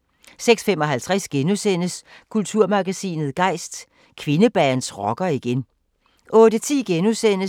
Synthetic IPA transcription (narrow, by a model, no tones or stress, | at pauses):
seɡ̥sfemɒ̽ɦælt͡sʰʁasɡ̥enusen̰əskʰult͡sʰuɐ̰mɑ̈ɡ̥æsḭːnð̩ˠɡ̥ɑ̈ɪ̰sd̥ | kʰʋe̝nəb̥æːnsʁɒɡ̥ɐiɡ̥en | ʔɔ̽ːdət͡sʰḭːɡ̥enusen̰ə